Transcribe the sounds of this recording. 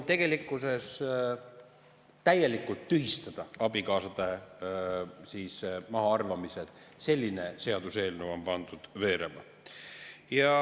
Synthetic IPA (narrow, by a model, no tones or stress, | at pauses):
t̪e̞ɡ̥e̞likːˑuse̞s | t̪æje̞likːˑult̪ːyɦist̪ɑd̪̥ɑɑbikɑːsɑd̪̥e | siːsmɑɦɑɑrvɑmised̪̥se̞lʲːine̞se̞ɑd̪̥use̞ːlnuvo̞mpɑnd̪̥ud̪̥ve̞ːɾemɑ | jɑ